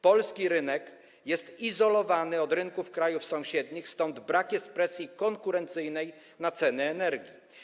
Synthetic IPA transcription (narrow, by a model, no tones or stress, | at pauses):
pɔlskʲiɾɘnɛk | jɛst̪izɔlɔvanɘɔd̪ɾɘŋkufkɾajufsɔ̃w̃ɕɛd̪ɲixst̪ɔnd̪bɾakjɛst̪̚pɾɛsʲjikɔŋkuɾɛnt̪sɘjnɛj | nat̪sɛnɛːnɛɾɡʲi